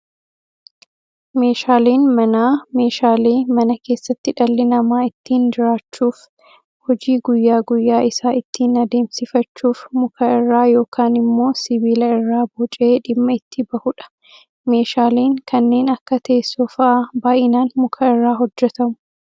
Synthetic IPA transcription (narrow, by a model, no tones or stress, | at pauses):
me̞ːʃaːleːnmɐnaːme̞ːʃaːleːmɐnɐke̞ːsːɐt̪ːɪᶑɐlːɪnɐmaːɪt̪ːiːnd͡ʒɪɾaːt͡ʃːuːf | hɔd͡ʒiːɡʊjːaːɡʊjːaːɪsaːɪt̪ʰːiːnɐd̪e̞ːmsɪfɐt͡ʃːuːfmʊkʰɐɪrːaːjo̞ːkʰaːnɪmːo̞ːsɪbiːlɐɪrːaːbɔt͡ʃʼeːᶑɪmːɐɪt̪ʰːɪbɐhʊᶑɐ̥ | me̞ːʃaːleːŋkɐnːe̞ːnɐkːɐt̪ʰeːsːɔfɐʔɐbaːʔɪnaːnmʊkʰɐɪrːaːɦɔd͡ʒːɛt̪ɐmʊ̥